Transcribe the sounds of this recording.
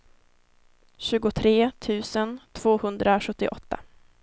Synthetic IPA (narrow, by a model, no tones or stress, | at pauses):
ɕʉ̟ːɡʊt̪ʰɾeːt̪ʰʉ̟ːsənt̪ʰv̥oːhɵnd̪ɾaɧɵt̪ːɪʔɔt̪ːa̰